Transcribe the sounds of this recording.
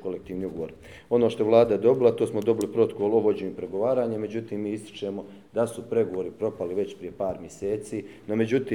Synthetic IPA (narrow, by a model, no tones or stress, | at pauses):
kolek̚t̪iːʋniːuɡoʋoɾ | o̞noːʃt̪oelˠaːd̪aje̞d̪o̞bilat̪oːsmo̞d̪o̞bilipɾo̞t̪okoːlˠoʋod͡ʑeɲipɾe̞ɡoʋaːɾaːɲeme̞d͡ʑut̪iːmːiːist̪i̥t͡ʃe̞mo̞ | d̪asupɾe̞ɡo̞ʋo̞ɾipɾo̞paliʋe̞t͡ɕpɾije̞paːɾmjese̞ːt̪siːno̞me̞d͡ʑut̪iː